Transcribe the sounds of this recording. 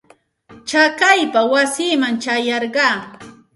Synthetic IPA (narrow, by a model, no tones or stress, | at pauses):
t͡ʃakajpawasiːmaŋt͡ʃajɑɾɢɑː